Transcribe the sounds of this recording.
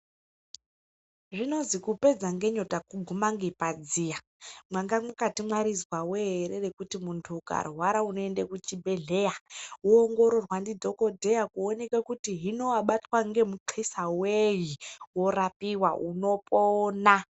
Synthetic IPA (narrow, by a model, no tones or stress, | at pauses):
ʐino̞nzikupe̞d͡zaŋɡe̞ɲo̞takuɡʱumaŋɡepad͡ziːja | mwaŋɡamukatimwaɾizwaweɦeɾe̞re̞kutimuntʰuːka̰rwaɾauno̞e̞ndekut͡ʃibʱe̞ɮe̞jauoŋɡo̞ɾo̞rwandidʱo̞ko̞dʱe̞jakuone̞kakutiɦinoaɓatwaŋɡe̞muǃʰisawejiwo̞rapiwauno̞pona